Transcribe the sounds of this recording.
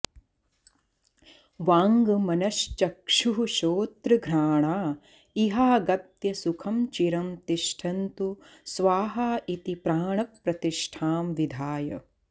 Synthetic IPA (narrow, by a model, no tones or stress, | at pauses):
ʋaːŋɡɐmɐnɐʃt͡ʃɐkʂuʃoːt̪ɾɐɡʱɾaːɳaː | iɦaːɡɐt̪jɐsukʰɐmt͡ʃiɾɐmt̪iʃʈʰɐnt̪u | sʋaːɦaːʔit̪ipɾaːɳɐk̚pɾɐt̪iʃʈʰaːmʋid̪ʱaːjɐ̰